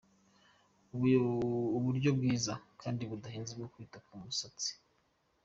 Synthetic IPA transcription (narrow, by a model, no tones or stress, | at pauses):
uβuɾɟo̞bɡiːzakʰaːndiβudaɦiːnzibɡokwiːtakumusat͡si̥